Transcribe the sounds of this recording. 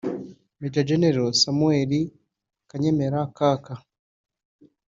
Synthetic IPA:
mid͡ʒad͡ʒeneɾosamueɾi | kaɲemeɾakaːka

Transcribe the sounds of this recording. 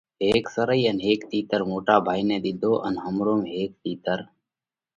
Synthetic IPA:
ɦeːksəɾəiːənɦeːkt̪iːt̪əɾmoːʈaːbʱaːiːnẽːd̪ɪd̪ʱoːʔənɦəmɾoːmeɦeːk̚t̪iːt̪əɾ

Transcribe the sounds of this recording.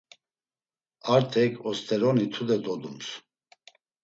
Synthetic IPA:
aɾt̪ʰɛkʰɔst̪ʰɛɾɔnit̪ʰud̪ɛd̪ɔd̪ums

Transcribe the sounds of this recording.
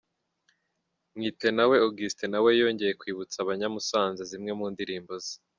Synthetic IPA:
mŋiːte̞nawe̞oɡistenawe̞jo̞ːɲɟe̞je̞kwiːβut͡saβaɲamusaːnzezimŋe̞muːndiɾiːmbozi

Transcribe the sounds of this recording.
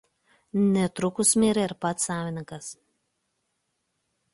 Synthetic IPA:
nʲɛt̪ɾʊkʊsmʲeːɾʲɛɪɾpɐt̪sɑːʋʲɪnʲɪŋkɐs

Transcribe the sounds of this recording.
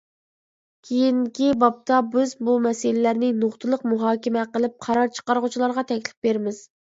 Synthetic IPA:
kʲʰejiŋkʲibɑp̚t̪ʰɑbɪzbumɛsɪlɪlæɾnɪnoχt̪ʰɨlˠəqmuɦɑːkʲɪmɛqəlˠɪp̚qʰɑɾɑɾt͡ʃʰə̥qɑɾʁʊt͡ʃʰilˠɑɾʁɑt̪ʰɛkʲlɪ̥p̚beɾmɪz̥

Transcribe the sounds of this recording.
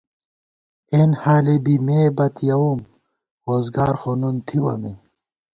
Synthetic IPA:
enhaːlebimeːbɐt̪ʰjɐwum | ɾoːzɡaːɾxonunt̪ʰiwɐ̰me

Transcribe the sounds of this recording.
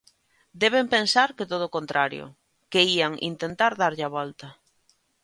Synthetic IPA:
d̪eβ̞empensaɾkɪt̪oð̞oːkõnt̪ɾʔaɾjo̰ | keiaŋʔḭnt̪ent̪aɾðaɾʎaβɔlt̪a

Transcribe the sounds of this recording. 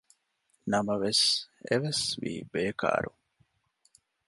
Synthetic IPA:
nɐmɐʋeseʋesʋḭːbeːka̰ːɾu

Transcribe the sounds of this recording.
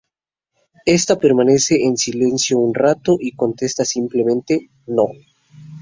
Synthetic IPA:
e̞st̪ape̞ɾmane̞se̞ʔensile̞nsjo̞unrat̪o̞ʔiko̞nt̪e̞st̪asimple̞mẽ̞nt̪e̞ | no̞

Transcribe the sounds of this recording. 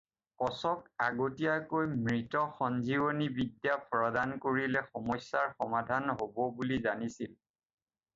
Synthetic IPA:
kɔsɔkaɡotijakojmɹitɔxɔnzibonibidjapʰɹɔdankoɹilɛxɔmɔsːaɹxɔmadʱanɦobɔbulizanisil

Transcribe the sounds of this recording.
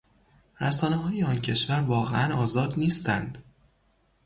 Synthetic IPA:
ɾæsɒːneɦɒːjeɒːncʰe̞ʃvæɾvɒːɣeʔænɒːzɒːd̪niːst̪ʰænd̪̥

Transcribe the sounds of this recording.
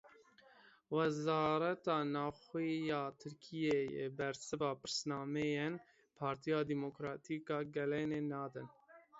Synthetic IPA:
wɛzɑːɾɛt̪ɑːnɑːxijɑːt̪ʰɨɾkʰijejḛbɛɾsɨvɑːpɨɾsnɑːmɛjen | pʰɑːɾt̪ʰijɑːd̪imokɾɑːt̪ʰiːkɑːɡɛleneːnɑːd̪ɨn

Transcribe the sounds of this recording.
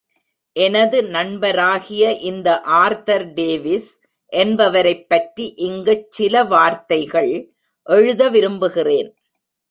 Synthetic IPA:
ʔɛnɐðɯnɐɳbɐɾaːɣɪjɐʔɪnd̪ɐʔaːɾt̪ɐɾɖeːʋɪs | ʔɛnbɐʋɐɾɐɪpːɐʈɾiʔɪŋɡɐt͡ʃːɪlɐʋaːɾt̪ɐɪɣɐɭ | ʔɛɻɯðɐʋɪɾɯmbɯɣɪreːn

